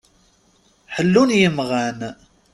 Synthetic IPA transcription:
ħəlːunjəmʁæn

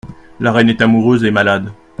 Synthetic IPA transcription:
laʁɛnɛt̪amuʁøzemalad̪

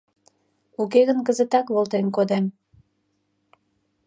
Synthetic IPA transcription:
ukeɣənkəzət̪ɑkβolt̪enkod̪em

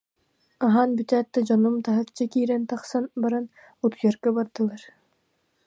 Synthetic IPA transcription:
aɦanbyt̪æːt̪ːad͡ʑɔnumt̪aɦɯk̚t͡ɕakiːɾɛnt̪ɑχsanbaɾan | ut̪jœɾkɛbaɾd̪ɯlˠaɾ

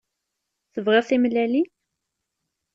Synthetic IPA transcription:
θəvʁɪθimlæli

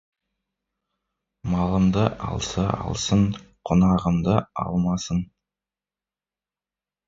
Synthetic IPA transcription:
mɑlˠəmd̪əɑ̰lˠsɑɑ̰lˠsəɴqʰonɑʁəmd̪əɑ̰lˠmɑsən

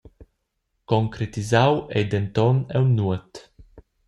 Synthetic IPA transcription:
koŋkɾet̪izawɛjd̪ɛnt̪ɔnɛwnuət̪

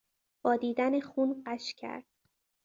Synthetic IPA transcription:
b̥ɒːd̪iːd̪ænexuːnɢæʃcʰæ̰ɾd̪̥̚

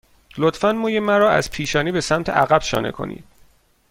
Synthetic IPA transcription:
lot̪fænmuːjemæɾɒːæ̰z̥pʰiːʃɒːniːbe̞sæmt̪ʰeʔæɣæb̥ʃɒ̰ːnḛkʰo̞̰nḭːd̪̥̚

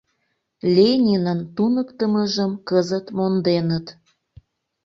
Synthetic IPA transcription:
lʲenʲinənt̪unəkt̪əməʒəmkəzət̪mond̪enət̪

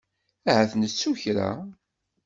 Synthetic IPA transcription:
æhæθnət͡sːuçɾa̰

